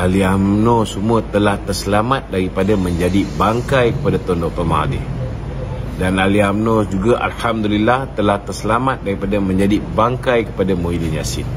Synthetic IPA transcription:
ʔaliamnõsəmuət̪əlaht̪ərsəlamat̪̚daɾipadamə̃ɲd͡ʒadibaŋkajkə̥padat̪ɔndɔʔpəma̰dḭh | danaliamnõd͡ʒuɡaʔa̰lhamd̪ulilːaht̪əlaht̪ərsəlamat̪̚daɾipadamə̃ɲd͡ʒadibaŋkajkə̥padamoidinjasɪ̰n

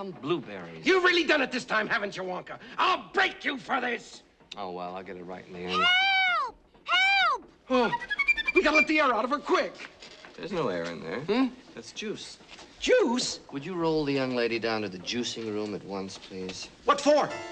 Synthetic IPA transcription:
nblubɛɹḭjɨvɹɪlˠidʌ̃nɨt̪̚ðɪstʰãɪ̃mhævɨ̃nt͡ʃə˞wɑ̃ŋkəʔaɪlˠbɹeɪkjɨfə˞ðɪs | oʊwɛ̰lˠaɪlˠɡɛɾɨt̚ɹa̰ɪʔn̩ðiɛ̃n | ha | owiɡɑɾlɪt̪̚ðiɛɹaʊɾʌvəkʰw̥ɪkðə˞znoʊɛ̰ɹɨ̰̃nðə̰˞ðætsd̥ʒ̥ʉsd̥ʒ̥uswɨd͡ʒɨɹoʊlˠðɨjʌ̃ŋleɪɾidãʊ̃ntɨðɨd͡ʒʉsɪ̃ŋɹũmɨt̚wʌ̃nspʰl̥iz̥wʌtfə˞

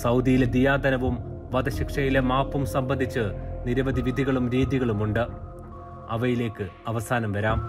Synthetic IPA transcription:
sɐwd̪ijiled̪ijaːd̪ɐnɐʋumʋɐd̪ɐɕikʂɐjilemaːpːumsɐmbɐnd̪ʱit͡ɕːɨniɾɐʋɐd̪ʱiʋid̪ʱiɣɐɭumɾiːðiɣɐɭumuɳɖɨ | ɐ̰ʋɐjile̞ːkːɨɐʋɐsaːnɐmʋɐɾaːm

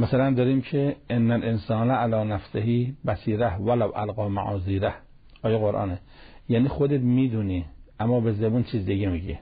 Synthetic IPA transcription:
mæsælænd̪ɒːɾiːmcʰeʔenːælʔensɒːnæʔalɒːnæfseɦiːbæsiːɾæhʋælawʔæ̰lɣɑːma̰ʕɒːziːɾæh | ʔɒːjeɣoɾʔɒ̰ːne | jæːniːxod̪et̪miːd̪uniːʔæmːɒːbezebuːnt͡ʃʰiːzd̪iɡemiɟḭ

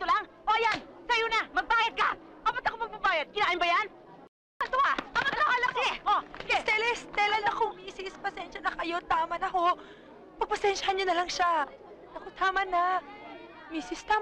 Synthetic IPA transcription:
t̪olaŋʔoʔɐjansɐjonamɐɡ̚baːjɐd̪̚ka | ʔabɐt̪ɐkomɐɡ̚bɐbaːjɐd̪̚kɪnaːʔɪmbɐjan | ɐt̪oaɐŋɐɐlaɐlakʔoɛst̪ɛlɛst̪ɛlɐnɐkoŋmiːsɪspɐsɛnʃɐnɐkɐjo̞t̪aːmɐnɐɦo̞ | pɐɡ̚pɐsɛnʃɐhɐnɲonɐlɐŋʃa | nɐkot̪aːmɐna | miːsɪst̪aːm

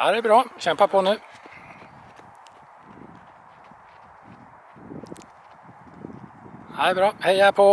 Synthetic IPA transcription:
æ̰ɾɛbɾɑːɕɛmpəpʰɔnʉː | æɪbɾɑːhɛɪæpʰɔ

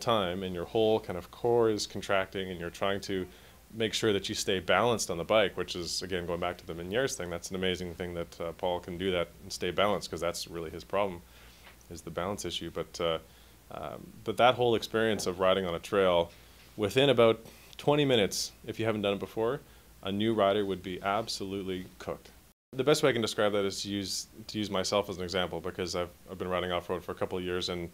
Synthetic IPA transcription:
tʰãɪ̃mɨ̃njə˞hoʊlˠkʰãɪ̃ndʌv̥kʰɔɹɨz̥kʰn̩tʰɹ̥æk̚tɪ̃ŋɨ̃njə˞tʰɹ̥aɪɪ̃ŋtʰɨ | meɪkʃʊɹðɨt͡ʃɨsteɪbælˠə̃nstn̩ðəbaɪkwɨt͡ʃɨzɨɡɛ̃nɡoʊɪ̃ŋbæk̚tʰɨðɨ̃mɨ̃njɛɹz̥θɪ̃ŋðætsn̩ɨmeɪzɪ̃ŋθɪ̃ŋðɨtpʰɔlˠkʰn̩dɨðɨɾn̩steɪbælˠə̃nskʰʌzðætsɹɪlˠiɨz̥pʰɹ̥ɑblm̩ | ɨzðɨbælˠə̃nsɪʃʉbʌt̪ʌ | b̥ʌt̪̚ðət̚hoʊlˠɨkspɪɹiɨ̃nsʌvɹaɪɾɪ̃ŋə̃nɨtʰɹ̥eɪlˠ | wɪθɪ̃ɾ̃ɨbaʊtʰ | w̥ɛ̃ɾ̃imɪ̃ɾ̃ɨtsɨfjɨhævn̩d̥ʌ̃nət̚b̥əfɔɹ | ʔənʉɹaɪɾə˞wɨd̚biʔæb̥səlʉtˡlikʰʊ̰k̚t̚ | ðɨbɛst̚weɪakɨ̃ndɨskɹaɪb̚ðɨɾɨz̥tʰɨjʉztʰɨjʉzmaɪsɛlˠfəzn̩ɨɡzæ̃mpl̩ˠbɨkʰʌzaɪvaɪvbɨ̃nɹaɪɾɪ̃ŋɔfə˞dfə˞ɨkʰʌpl̩ˠjɪɹzɨ̃n

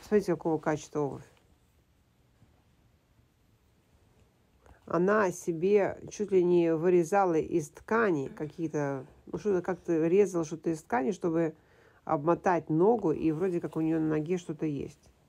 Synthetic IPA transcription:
smɐmʲitʲɪkɐko̞vəkat͡ɕɪ̥st̪vəobəfʲ | ɐ̰nasʲɪbʲe̞t͡ɕut̪ʲlʲɪnʲɪvɨɾʲɪzalˠəʔɪst̪kanʲɪkɐkʲijət̪ə | nuʂt̪ot̪əkak̚t̪əɾʲe̞zəlˠəʂt̪ot̪əɪst̪kanʲɪʂt̪o̞bɨ | ɐ̰bmɐt̪atʲno̞ɡʊʔivɾo̞dʲɪkakʊnʲɪjo̞nənɐɡʲe̞ʂt̪o̞t̪əjḛsʲtʲ

